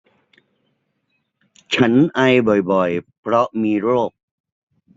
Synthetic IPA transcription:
t͡ɕʰa˦˥nʔa˧jbɔ˨˩jbɔ˨˩jpʰɾɔ˦˥ʔmiː˧ɾoː˥˩k̚

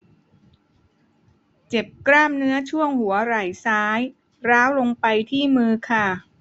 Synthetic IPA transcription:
t͡ɕe˨˩p̚kɾaː˥˩mnɯ˦˥ɐt͡ɕʰu˥˩əŋhu˩˦ɐɾa˨˩jsaː˦˥j | ɾaː˦˥wlo˧ŋpa˧jt̪ʰiː˥˩mɯː˧kʰa˥˩

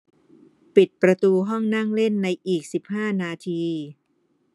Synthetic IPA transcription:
pi˨˩t̪̚pɾa˧t̪uː˧ɦɔ˥˩ŋna˥˩ŋle˥˩nːa˧jʔiː˨˩k̚si˨˩p̚haː˥˩naː˧t̪ʰiː˧

